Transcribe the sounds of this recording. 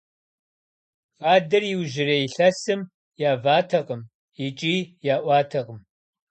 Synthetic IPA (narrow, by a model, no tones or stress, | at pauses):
faːdɨrjiwʒɪrejiɬɐsɨm | jaːvaːtʰɐqəm | it͡ʃʼiːjaːʔʷɑːtʰɐqʼəm